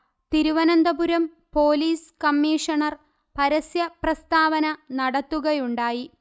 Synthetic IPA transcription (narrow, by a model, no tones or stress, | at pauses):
t̪iɾuʋɐnɐnd̪ɐbuɾɐm | po̞ːliːskɐmːiːʂɐɳɐr | pɐɾɐsjɐprɐst̪aːʋɐnɐnɐɽɐt̪ːuɣɐjuɳɖaːji